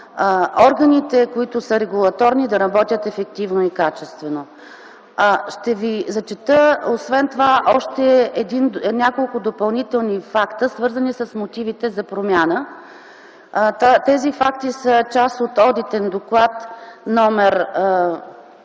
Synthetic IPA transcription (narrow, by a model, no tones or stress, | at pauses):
ɔɾɡɐnit̪ɛkoit̪ʊsəɾɛɡulˠɐt̪ɔɾnid̪ɐɾɐbɔt̪ʲjət̪ɛfɛk̚t̪ivnoikat͡ʃɛst̪vɛno | ʃt̪ɛvizɐt͡ʃɛt̪əosvɛnt̪ovaʔɔʃt̪ɛɛd̪innʲjakolˠkʊd̪opɐlˠnit̪ɛlˠnifakt̪əsvɤɾzɐnisɐsmot̪ivit̪ɛzɐpɾomʲjanə | t̪at̪ɛzifak̚t̪isət͡ʃasot̪ɔd̪it̪ɛnd̪oklˠat̪nɔmɛɾ